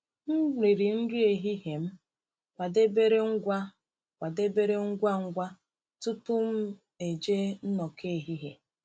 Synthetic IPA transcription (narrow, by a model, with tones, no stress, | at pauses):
m̩˦ɾi˨ɾi˨n̩˦di˦e˨ɦi˦ɦe˨m̩˦ | kʷa˨de˦be˦ɾe˦ŋ̩˦ɡʷa˦ | kʷa˨de˦be˦ɾe˦ŋ̩˦ɡʷa˦ŋ̩˦ɡʷa˦ | tʊ˦tʊ˦m̩˦ | e˨d͡ʒe˦n̩˦nɔ˨ke˦˨ɦi˦ɦe˨